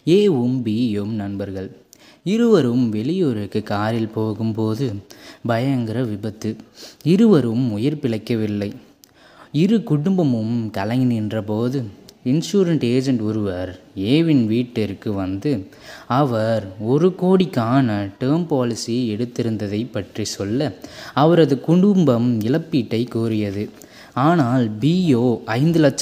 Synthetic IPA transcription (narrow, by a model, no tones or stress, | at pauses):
eːʊmbijɯmnɐnbɐɾɣɐɭ | ɪɾɯʋɐɾɯmʋɛlɪjoːɾɪkːɯkːaːɾɪlpoːɣɯmpoːðɯbɐjɐŋɡɪɾɐʋɪbɐt̪ːɯɪɾɯʋɐɾɯmʊjɐɾpɪɭɐɪkːɐʋɪlːɐɪ | ɪɾɯkʊɽʊmbɐmɯmkɐlɐŋɪnɪndrɐpoːðɯɪnsuːɾɐɳʈeːd͡ʒɐɳʈɔɾɯʋɐɾeːʋɪnʋiːʈːɪɾkːɯʋɐnd̪ɯ | ɐʋɐɾɔɾɯkoːɽɪkːaːnɐʈɯːɾmpaːlɪsiɛɽɯt̪ːɪɾɯnd̪ɐðɐɪpːɐʈrisɔlːɐɐʋɐɾɐðɯkʊɳɖʊmbɐmɪlɐpːiːʈːɐɪkːuːɾɪjɐðɯ | aːnaːlbiːjoːɐɪnd̪ɯlɐt͡ʃː